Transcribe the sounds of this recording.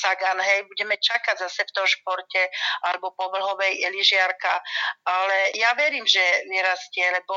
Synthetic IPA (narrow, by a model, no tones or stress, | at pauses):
saɡanɦɛjbuɟɛmɛt͡ʃakaɟzasɛft̪ɔmʃpɔɾcɛalɛbɔpɔʋl̩ɦɔʋɛjɛliʒɪaɾkaalɛjaʋɛɾiːmʒɛmiɾascɛlɛbɔ